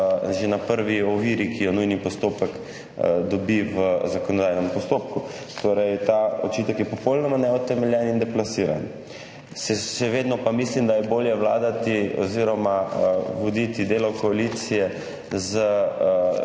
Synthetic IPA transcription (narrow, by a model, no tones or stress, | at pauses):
ʒenapəɾʋiɔʋiɾikʰijɔnujnipɔst̪oːpək | d̪ɔbiʋəzakɔnɔd̪ajnɛmpɔst̪oːp̚ku | t̪oːɾɛjt̪ao̰t͡ʃit̪əkjɛpɔpɔwlnɔmanɛɔt̪ɛmɛljɛnind̪ɛplasiːɾa̰n | ʃɛʃɛʋeːd̪nɔpamislimd̪ajɛboːljɛʋla̰ːd̪at̪iɔ̰ziɾɔmaʋɔd̪it̪id̪eːlɔkɔalit̪sijɛ | zə